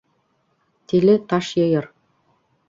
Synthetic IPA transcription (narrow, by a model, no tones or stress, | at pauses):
t̪ilɘ̆t̪ɑʃjɤ̆jɤ̆ɾ